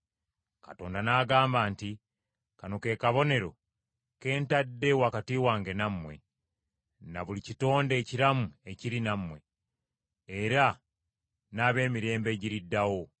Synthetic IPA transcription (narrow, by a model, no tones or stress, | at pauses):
kato̞ːndanaːɡaːmbaːnti | kanoke̞ːkaβo̞ne̞ɾo̞ | ke̞ːntadːe̞wakatiːwaːŋɡe̞namːwe̞̰ | naβulicito̞ːnde̞ːciɾamue̞ciɾinamːwe̞ | eɾa | naːβe̞ːmiɾe̞ːmbe̞ɟiɾidːawo̞